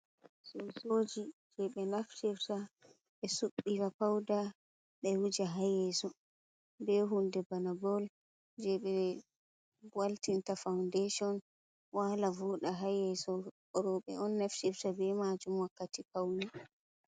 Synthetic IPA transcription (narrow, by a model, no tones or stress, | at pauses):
sɔsod͡ʒid͡ʒɛɓɛnaftɛfsa | ɓɛsuɓːiɾapawda | ɓɛwud͡ʒaɦajɛsɔ | bɛɦundɛbanabɔl | d͡ʒɛɓɛ | waltintafawndɛʃɔn | walavɔɗaɦajɛsɔ | ɔɾɔɓɛ̰ɔnːaftɛfsabɛmad͡ʒumwakːatipawni